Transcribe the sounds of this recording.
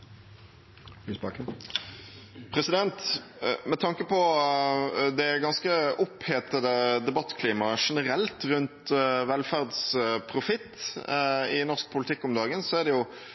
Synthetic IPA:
ʉsbɑkə | pʰʁɛsɪd̪ɛnt̪mɛt̪ʰɑŋkəpɔ | d̪ɛɡɑnskəʔɔpheːt̪əd̪əd̪ɛbɑt̪ːkʰliːmɑʂɛnəɾɛlt̪ʁʉnt̪ʋɛlfæʁd̪spʰʁʊfɪt̪ː | ɪnɔʁsk̚pʰʊlɪt̪ʰɪkːɔmd̪ɑːɡənsɔæʁd̪ɛjʊ

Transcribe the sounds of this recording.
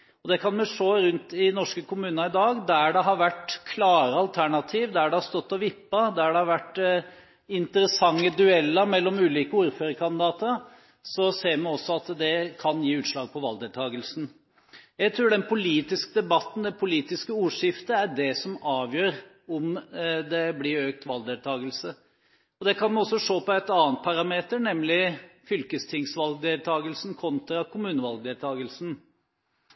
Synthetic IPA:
ɔd̪ɛkʰɑnmɛʂoːɾʉnt̪ɪnɔʂkəkʰʊmʉːnɑɪd̪ɑːɡd̪æɖɛɦɑɾʋæʈkʰlɑːɾəɑlt̪ʰæɳɑt̪ʰiːʋd̪æɖɛhɑst̪ɔt̪ːɔʋɪpːɑd̪ææɖɛhɑɾʋæʈː | ɪnt̪əɾəsɑŋːəd̪ʉɛlːəmɛlːɔmʉːliːkəuːɾføːɾəkʰɑnd̪ɪd̪ɑːt̪əɾ | sɔseːmɛɔsːɔɑt̪d̪ɛkʰɑnjiːʉːt̪ʂlɑːɡ̚pʰɔʋɑ̰ld̪ɛlt̪ʰɑːɡəlsn̩ | jæɪt̪ʰɾʉːɖɛnpʰʊliːt̪ɪskəd̪ɛbɑt̪ːn̩d̪ɛpʰʊliːt̪ɪskəuːʂɪft̪əæɖɛsɔmɑːʋjøːɾ | ɔmd̪ɛblɪɾøːk̚t̪ʋɑld̪eːlt̪ʰɑːɡəlsə | ɔd̪ɛkʰɑnmɛɔsːɔʂoːpɔɛt̪ɑːənt̪̚pʰɑɾɑmeːt̪ənɛmlɪfʏlkəst̪ʰɪŋsʋɑlɡ̚d̪eːlt̪ʰɑːɡəlsn̩kʰɔnt̪ɾɑkʊmʉːnəʋɑlɡ̚d̪eːlt̪ʰɑːɡəlsn̩

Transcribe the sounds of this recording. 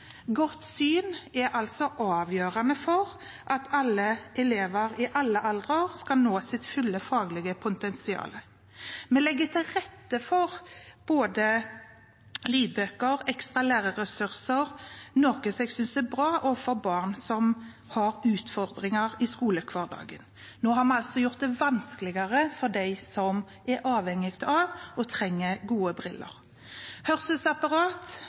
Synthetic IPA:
ɡɔt̪ːsyːnɛɾɑlt̪sɔʔɑːʋjøːʁɑnəfɔʁ | ʔɑt̪ʰɑlːəʔɛleːʋəɾɪʔɑlːəʔɑld̪ʁəoːʁskɑlnoːsɪt̪fʏlːəfɑːɡlɪɡəpʰʊt̪ɛnsɪɑ̰ːlə | mɛlɛɡːət̪ʰɪlɾɛt̪ːəfɔʁb̥oːd̪ə | liːbøːkəɾɛkst̪ʁɑlæːʁəɾɛsʉʁsəɾnoːkəsɛɡsʏnsd̪ɛbɾɑːʔɔfɔɾbɑːʁnsɔm | hɑɾʉːt̪fɔɾd̪ɾɪŋɑɾɪskuːləkʰʋɑːʁd̪ɑ̰ːɡən | noːɦɑɾmɛɑlsɔjʊʁt̪̚d̪ɛʋɑnsklɪɡɑɾəfɔd̪æɪsɔm | ʔɛɾʔɑːʋhɛŋɪɡt̪ɑʋʔɔt̪ʰɾɛŋːəɡuːəbɾɪlːə̰ɾ | hœʁsəsɑpɑɾɑːt̪

